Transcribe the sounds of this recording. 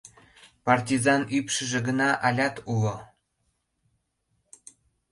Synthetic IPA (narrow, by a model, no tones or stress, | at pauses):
pɑrtʲizɑnypʃə̆ʒĕɡənɑʔɑlʲɑt̪ulo